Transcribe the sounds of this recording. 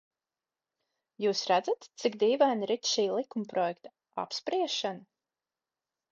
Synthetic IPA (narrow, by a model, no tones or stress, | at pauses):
juːsɾæd̪zat̪t̪sikd̪iːvanɾit̪ʃiːlˠikumpɾɔjɛkt̪a | a̰pspɾiɛʃana